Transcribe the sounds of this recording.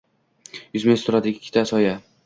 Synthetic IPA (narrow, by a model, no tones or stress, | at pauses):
jʊzmest̪ʰʊɾad̪ɪɪkʲʰːɪ̥t̪ʰasɒja